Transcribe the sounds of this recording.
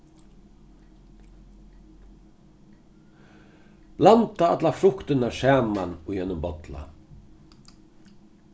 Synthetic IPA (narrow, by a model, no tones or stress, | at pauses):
lant̪aɑ̰t̪lafɾʊkt̪ənaʃæːmanujɛnʊmbɔt̪la̰